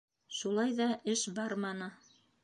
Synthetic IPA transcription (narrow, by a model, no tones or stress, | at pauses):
ʃulˠɑjðɑɘʃbɑɾmɑnɤ